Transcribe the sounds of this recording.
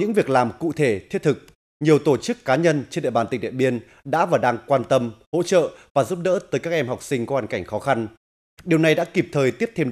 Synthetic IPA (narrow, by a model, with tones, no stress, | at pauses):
ɨ̰˧˥ŋvi˨˩ək̚laː˨˩mkṵ˧˨t̪ʰe˧˩t̪ʰi˦˥ət̚t̪ʰɨ˨˩k̚ | ɲi˨˩əwt̪o˧˩t͡ɕɨ˦˥kːaː˨˦ɲə˧nt͡ɕe˧nɗḛ˧˨ɓaː˨˩nt̪i̟˨˩ɗḭ˧˨ə˨˩ɓi˧ən | ɗa̰ː˧˥vaː˨˩ɗaː˧ŋkwaː˧nt̪ə˧mho̰˧˥t͡ɕə̰ː˧˨vaː˨˩zu˦˥p̚ɗə̰ː˧˥t̪əː˨˦jkaː˦˥k̚ʔɛ˧mha˨˩wk͡p̚sï˧ŋ̟kɔ˨˦hwaː˧˩nka˧˩jŋ̟xɔ˨˦xa˧n | ɗi˨˩əwna˨˩jɗa̰ː˧˥ki˨˩p̚t̪ʰəː˨˩jt̪i˦˥əp̚t̪ʰe˧m